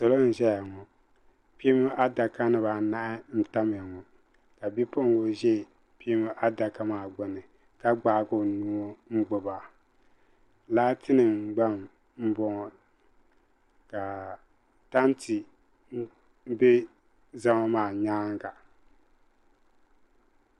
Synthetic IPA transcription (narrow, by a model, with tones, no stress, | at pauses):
so˨lo˦n̩˨ʒɛ˦ja˨ŋɔ˨ | pi˦mo˦ʔa˦da˨ka˦nɨ˨βa˨na˦ʔɪ˦n̩˦ta˦m˨a˨ŋɔ˨ | ka˨bi˦po˦ŋ˦ɡo˦ʒɛ˦˨ | pi˦mʊ˦ʔa˦da˨ka˦maː˨ɡ͡bɔ˨nɨ˨ | ka˦ɡ͡baː˨˦˨ɡo˦˨nu˦o˦ŋ͡m̩˦ɡ͡bʊ˨ba˨ | laː˦tʰɪ˦nɨ˨ɡ͡ba˦m | m̩˦bɔ˨ŋɔ˨ | ka˨ | ta˦n˦ti˨˦ | bɛ˦ | za˦ma˦maː˨ɲaː˦ŋ˦ɡa˨